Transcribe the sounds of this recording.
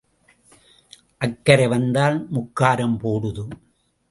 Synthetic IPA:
ʔɐkːɐɾɐʋɐnd̪aːlmʊkːaːɾɐmpoːɽɯðɯ

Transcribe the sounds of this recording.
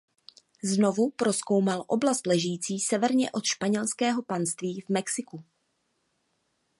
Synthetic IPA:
zno̞vupɾosko̞wmalʔo̞blast̪lɛʒjiːt͡siːsɛvɛɾɲɛʔo̞t̪ʃpaɲɛlskɛːɦo̞panst̪viːvmɛksɪku

